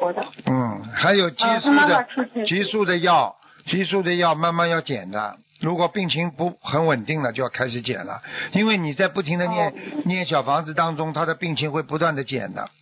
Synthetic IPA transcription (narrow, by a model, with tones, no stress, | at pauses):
n̩˥˩xa˧˥ɪjo˨˩ʊt͡ɕi˥ʂu˥˩d̪ə˧t͡ɕi˥su˥˩d̪ə˩jɑ˥˩ʊ | t͡ɕi˥ʂu˥˩d̪ə˨jɑ˥˩ʊma˥˧nma˥˧njɑ˥˩ʊt͡ɕjɛ̰˨˩nt̪a̰˦˥n | ɻu˧˥kwɔ˨˩pi˥˩ŋt͡ɕʰi˧˥ŋpu˧˥˩xə˧˥nwə˨˩nt̪i˥˩ŋlə˩t͡ɕjo˥˧ʊjkʰa˥ɪʂɻ̩˧˥t͡ɕjɛ̰˨˩nlə̰˦i˥nwe˥˩ɪni˨˩t͡sa˥˧ɪpu˥˩t̪ʰi˧˥ŋd̪ə˧njɛ˥˧nnjɛ˥˩nɕ̬jɑ˨˩ʊfɑ˧˥ŋd͡zɹ̩˧˩t̪ɑ˥ŋʈ͡ʂʊ˥ŋt̪ʰa˥d̪ə˨pi˥˧ŋt͡ɕʰi˧˥ŋxwe˥˩ɪpu˧˥t̪wa˥˩nd̪ə˩t͡ɕjɛ̰˨˩nd̪ə̰˦